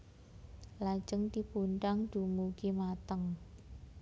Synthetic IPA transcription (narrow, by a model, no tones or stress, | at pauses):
lḁd͡ʒəŋt̪ipuɳʈaŋɖ̪̥ṳmukimat̪əŋ